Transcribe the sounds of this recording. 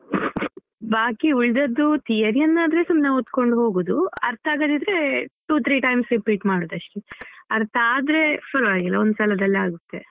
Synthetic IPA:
baːkiuɭd̪ɐd̪ːut̪ijɐɾijɐnːaːd̪ɾesumnɐot̪ːko̞ɳɖɦo̞ːɡoːd̪uɐ̰ɾt̪ʰaːɡɐd̪id̪ɾe̞ʈuːt̪ʰɾiːʈɐjmsɾipiːʈmaːɽoːd̪ɐʂʈiɐɾt̪ʰaːd̪ɾe̞fɐɾʋaːɡilːɐ̰ond̪usɐlɐd̪ɐlːɐaːɡut̪ːe̞̰

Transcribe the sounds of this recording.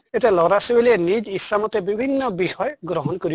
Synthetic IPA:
etelɔɾasibelienid͡ʒisamɔt̪ebibʱinːɔbihɔjɡɾɔɦɔnkɔɾi

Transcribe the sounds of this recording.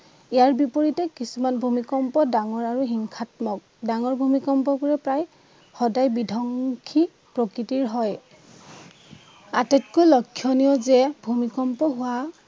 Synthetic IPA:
ijaɹbipɔɹitɛkisumanbʱumikɔmpɔdaŋɔɹaɹuɦiŋkʰatmɔk̚daŋɔɹbʱumikɔmpɔkuɹɛpɹaj | xɔdajbidʱɔŋkʰi | pɹɔkɹitiɹɦɔj | atɛtkɔlɔkʰːjɔnijɔzɛbʱumikɔmpɔɦʊwa

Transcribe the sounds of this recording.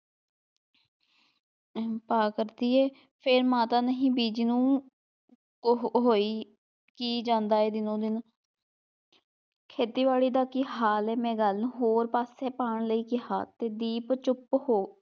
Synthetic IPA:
paːkəɾd̪iːɛː | pʰɪɾmãːt̪aːnəɦĩːbiːd͡ʒiːnũː | ɦoːiː | kiːd͡ʒãːnd̪aːeːd̪ɪnõːd̪ɪn | kʰeːt̪iːʋaːɭiːd̪aːkiɦaːlɛːmɛ̃ːɡəlnɦoːɾpaːsɛːpaːɳləiːkɪɦa̰ːt̪eːd̪iːpt͡ʃʊphoː

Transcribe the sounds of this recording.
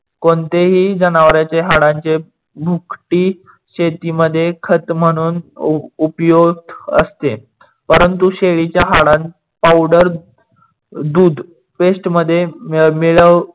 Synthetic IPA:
kont̪eɦiːd͡zənaʋɾjat͡ɕeɦaɽãɲt͡ɕe | bʱukʈiː | ɕet̪iməd̪ʱːjekʰət̪m̤əɽ̃uːnupjoɡ̚d̪ə̰st̪e | pəɾənt̪uɕeɭit͡ɕjaɦaɽan | pawɖəɾ | d̪uːd̪ | pesʈməd̪ʱːjemiɭəʋ

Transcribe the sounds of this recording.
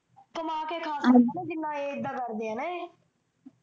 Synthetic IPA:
t̪əmãːkeːkʰaːsədənẽːd͡ʒɪnːãːeːɪd̪ːãːkəɾd̪ejãːneː

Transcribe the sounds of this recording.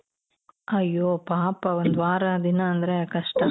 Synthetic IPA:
ɐjːoːpaːpɐʋond̪ʋaːɾɐd̪inɐːnd̪ɐɾekɐʂʈɐ

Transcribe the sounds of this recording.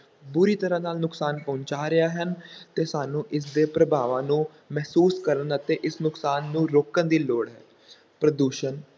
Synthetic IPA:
bʊɾiːt̪əɾãːnaːlnʊksaːnpɔ̃ːɲt͡ʃaːɾɪjaːɦənt̪eːsaːnũːʔɪs̬d̪eːpɾəbʱaːʋãːnũː | mɛːsuːskəɾənət̪ẽːʔɪsnʊksaːnːũːɾoːkənd̪iːloːɽɦɛ̰ː | pɾəd̪uːʃən

